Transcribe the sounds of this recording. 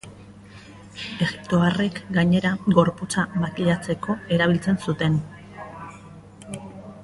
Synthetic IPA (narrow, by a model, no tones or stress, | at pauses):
e̞ɣip̚t̪oare̞kɡaɲe̞ɾaɡo̞ɾput͡samakiʎat͡se̞ko̞e̞ɾaβ̞ilt͡se̞nsut̪e̞n